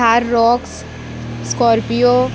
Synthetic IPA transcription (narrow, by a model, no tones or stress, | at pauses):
aːɾːɔːks | skɔːɾpijoː